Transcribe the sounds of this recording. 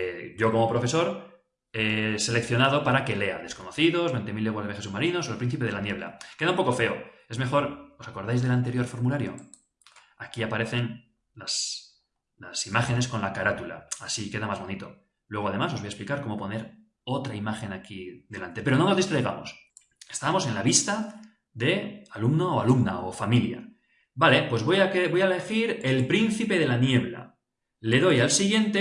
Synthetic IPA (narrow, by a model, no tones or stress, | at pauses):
ɟ͡ʝo̞ko̞mo̞pɾo̞fe̞so̞ɾ | ese̞le̞kθjo̞nað̞o̞paɾake̞le̞a̰ðe̞sko̞no̞θiðo̞zβent̪e̞milːeɣwazðees̬umaɾino̞solpɾin̟θipe̞ð̞e̞lanje̞β̞la̰ke̞ðaumpo̞ko̞fe̞o | e̞zme̞xo̞ɾo̞sako̞ɾðajzðe̞lant̪e̞ɾjo̞ɾfo̞ɾmulaɾjo̞̰ | akiapaɾe̞θe̞n | las | lasimaxe̞nesko̞nlakaɾat̪ula̰ːsike̞ðamazβo̞nit̪o̞ | lwe̞ɣ̞o̞aðe̞masoβojesplikaɾko̞mo̞po̞ne̞ɾ | o̞t̪ɾaimaxe̞nakiðe̞lant̪e̞peɾo̞nonozðist̪ɾejɣa̰mo̞s | est̪amo̞se̞nlaβist̪a | ðe̞alumnooalumna̰ofamilja̰ | bale̞pwe̞zβojakebo̞jale̞xiɾe̞lpɾinθipe̞ð̞e̞lanje̞βla̰ | le̞ðo̞jalsiɣje̞nt̪e